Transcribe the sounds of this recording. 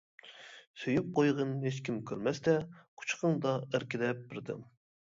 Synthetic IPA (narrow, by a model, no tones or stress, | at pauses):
søjyp̚qojʁənhet͡ʃkʲimkʲʰøɾmɛst̪ɛqʰu̥t͡ʃʰqəŋd̪ɑæɾkʲɪd̪ɛp̚bɪɾd̪ɪ̰m